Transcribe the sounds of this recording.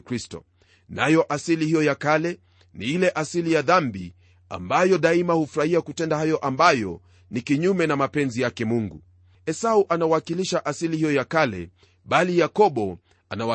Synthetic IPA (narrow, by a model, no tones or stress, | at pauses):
kɾistɔ̰ | najɔʔasilihijɔjakalɛ | niilɛʔasilijaðambḭ | a̰mbajɔɗaimahufuɾahiakutɛndahajɔʔambajɔ̰ | nikiɲumɛnamapɛnzijakɛmuŋɡṵ | ɛsauʔanawakiliʃaʔasilihijɔjakalɛ̰ | ɓalijakɔɓɔ | a̰nawa